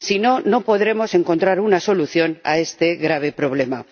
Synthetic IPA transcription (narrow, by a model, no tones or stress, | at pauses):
sino̞no̞po̞ðɾe̞mo̞se̞ŋko̞nt̪ɾaɾunaso̞luθjo̞na̰e̞st̪e̞ɣɾaβ̞e̞pɾo̞β̞le̞ma